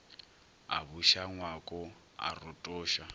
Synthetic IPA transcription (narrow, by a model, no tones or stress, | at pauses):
a̰βuʃaŋwakʼɔ | a̰rʊtʼɔːʃa